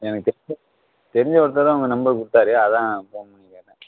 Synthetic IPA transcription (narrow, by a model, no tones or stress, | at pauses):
ɛnɐkːɯt̪ɛɐ | t̪ɛɾɪɲd͡ʒɐpɐɽɯt̪ːɐðɐ̃ːʊŋɡɐnɐmbɐɾkʊɽɯt̪ːaːɾeɐðãːpoːɐmɐnːiŋanɐ